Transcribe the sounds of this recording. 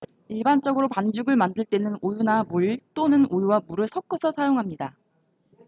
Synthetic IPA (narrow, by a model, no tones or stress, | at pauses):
iɭbant͡ɕ͈ʌɡɯɾopand͡ʑuɡɯɭmandɯɭt͈e̞nɯnojunamuɭt͈onɯnojwamuɾɯɭsʰʌk͈ʰʌsʰʌsʰajoŋɦamɲida